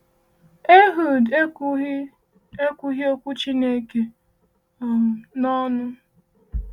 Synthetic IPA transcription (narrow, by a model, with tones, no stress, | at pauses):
e˦ɦu˨d | e˦kʷu˦ɦi˦o˦kʷu˦t͡ʃi˦ne˦ke˨ | nɔ˦nʊ˦